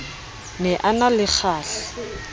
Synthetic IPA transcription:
nɛʔanalɪk͡xʰaːɬɪ̥

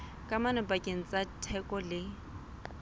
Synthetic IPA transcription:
kʼamanɔpʼakʼeŋ̩t͡sʼatʰɛkʼɔlɪ

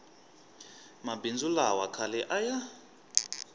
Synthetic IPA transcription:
mabind͡zulawakʰalɛʔaja

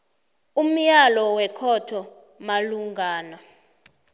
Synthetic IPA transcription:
um̩jalɔwɛkʰɔtʰɔ | maluŋɡʱaːna

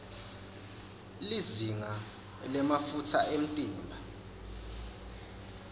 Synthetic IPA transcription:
liziŋa | lɛmafutʰaʔem̩tʼiːmbʱa

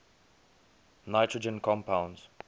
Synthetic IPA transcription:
naɪtʰɹəd͡ʒə̃nkʰɔ̃mpãʊ̃nz̥

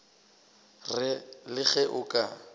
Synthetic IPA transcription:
rɪlɪɣɛʔʊkʼa

